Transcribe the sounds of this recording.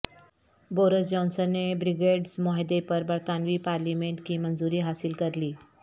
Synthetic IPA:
boɾisd͡ʑɔnsənːebɾiɡeɖsmɔɦjd̪epəɾbəɾt̪anʋiːpaɾlimeɳʈkiːmənd͡zuɾiːɦasilkəɾliː

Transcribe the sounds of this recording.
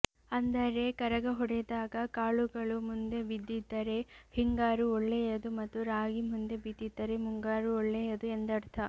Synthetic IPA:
ɐnd̪ɐɾe̞kɐɾɐɡɐɦɔɽɛd̪aːɡɐkaːɭuɡɐɭumund̪e̞bid̪ːid̪ːɐɾe̞hiŋɡaːɾuɔɭːɛjɐd̪umɐt̪ːuɾaːɡimund̪e̞bid̪ːid̪ːɐɾe̞muŋɡaːɾuɔɭːɛjɐd̪uend̪ɐɾt̪ʰɐ

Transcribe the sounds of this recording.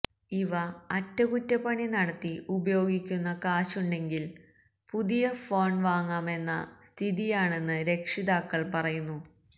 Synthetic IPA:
iʋɐːtːɐkutːɐpːɐɳinɐɽɐt̪ːiubɐjo̞ːɡikʲːunːɐkaːɕuɳɖe̞ŋɡil | puðijɐfo̞ːɳɖʋaːŋːaːme̞nːɐ̰st̪ʰiðijaːɳe̞nːɨɾe̞kʂiðaːkːɐɭpɐrɐjunːu

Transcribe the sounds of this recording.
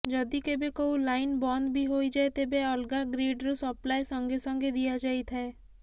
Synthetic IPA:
d͡ʒɔd̪ikebekoulainbɔnd̪bʱiɦoid͡ʒaet̪ebeɔlɡaɡɾeɖɾosɔplajsɔŋɡesɔŋɡed̪ijad͡ʒait̪ʰae

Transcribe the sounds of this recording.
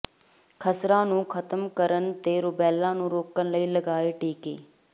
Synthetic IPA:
kʰəsɾãːnũːkʰət̪əmkəɾənt̪eːɾʊbɛːlːãːnũːɾoːkənləiːləɡaːeʈʰiːkḛː

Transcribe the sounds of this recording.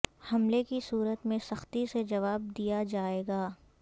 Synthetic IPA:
hɐmlekisuːɾət̪mẽsɐxt̪ised͡ʒɐʋaːb̚d̪ijad͡ʒaːeːɡaː

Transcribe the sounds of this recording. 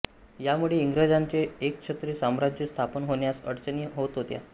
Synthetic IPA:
jamuɭeiŋɡɾad͡zaɲt͡ɕeek̚t͡ɕʰet̪ɾiːsamɾad͡ʑjəst̪ʰapənɦoɳjasəɽt͡səniːɦot̪ɦot̪ja̰

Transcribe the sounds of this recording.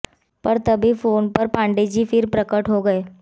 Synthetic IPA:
pɐɾt̪ɐbʱifoːnpəɾpãːɳɖed͡ʒifʰɪɾpɾəkəʈɦoɡɐeː

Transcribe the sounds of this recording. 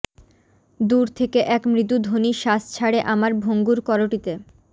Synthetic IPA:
d̪uɾt̪ʰekeʔɛkmɾit̪ud̪ʱoniʃast͡ɕʰaɽeʔamaɾbʱoŋɡuɾkɔɾoʈit̪e

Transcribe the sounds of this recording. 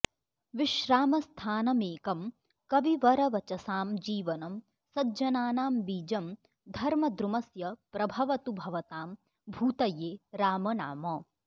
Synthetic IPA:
ʋiʃɾaːmɐst̪ʰaːnɐmeːkɐm | kɐʋiʋɐɾɐʋɐt͡ʃɐsaːmd͡ʒiːʋɐnɐm | sɐdd͡ʒɐnaːnaːmbiːd͡ʒɐm | d̪ʱɐɾmɐd̪ɾumɐsjɐpɾɐbʱɐʋɐt̪ubʱɐʋɐt̪aːm | bʱuːt̪ɐjeːɾaːmɐna̰ːmɐ

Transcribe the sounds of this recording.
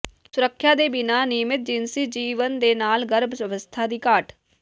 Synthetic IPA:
sʊɾəkʰːjaːd̪eːbɪnaːnɪmɪt̪̚d͡ʒɪnsid͡ʒiːʋənd̪eːnaːlɡəɾbsəʋəst̪ʰaːd̪iːkaːʈʰ

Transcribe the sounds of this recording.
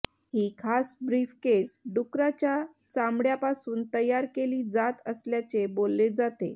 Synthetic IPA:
hiːkʰasbɾiːfkesɖukɾat͡ɕja | t͡samɽjapasuːnt̪əjːaɾkeliːd͡zat̪əsljat͡sebolːed͡zat̪ḛ

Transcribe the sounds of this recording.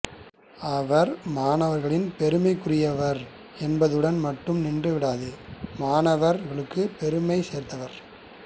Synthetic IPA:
ɐʋɐɾmaːnɐʋɐɾɣɐɭɪnpɛɾɯmɐɪkːɯrɪjɐʋɐɾ | ɛnbɐðɯɽɐnmɐʈːɯmnɪɳdrɯʋɪɽaːðɯmaːnɐʋɐɾɣɐɭɯkːɯpɛɾɯmɐɪseːɾt̪ɐʋɐɾ

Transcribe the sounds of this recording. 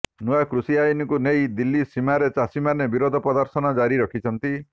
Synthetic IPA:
nuakɾusiajɔnɔkunejd̪ilːisimaɾet͡ʃasimanebiɾod̪ʱɔpɔd̪ɔɾt̪ʰɔnɔd͡ʒaɾiɾɔkʰit͡ʃʰɔnt̪i

